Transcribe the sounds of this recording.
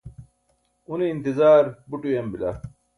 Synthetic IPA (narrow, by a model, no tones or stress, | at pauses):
uniːnt̪izaːɾbuʈujɐmbilɐ̰